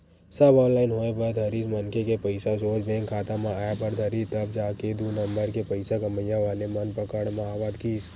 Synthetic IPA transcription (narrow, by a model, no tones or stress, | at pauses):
səbɔːnlaːɪnɦoːebəɾd̪ʱəɾismənkekepəɪsasoːd͡ʒbẽːŋkʰːaːt̪ãmãaːjabəɾd̪ʱəɾit̪əbd͡ʒaːked̪unəmbəɾkepəɪsaɡəməjːãʋaːlemənpəkəɽmãaːʋad̪kiːs